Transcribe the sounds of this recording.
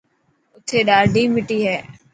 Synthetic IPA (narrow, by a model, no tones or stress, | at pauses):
ʊt̪ʰeːɗaːɖiːmɪʈiːɦɛː